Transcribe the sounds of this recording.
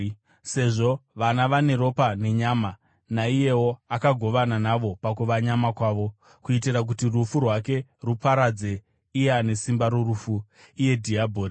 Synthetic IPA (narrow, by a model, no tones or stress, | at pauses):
se̞ʐo̞ʋanaʋane̞ɾo̞pane̞ɲaːma | naije̞woakaɡʱo̞ʋananaʋo̞pakuʋaɲamakwaːʋo̞ | kuitirak̬utirufurwake̞rupaɾad͡ze̞ | ijane̞simbaɾorufu | ije̞dʱiabʱoːri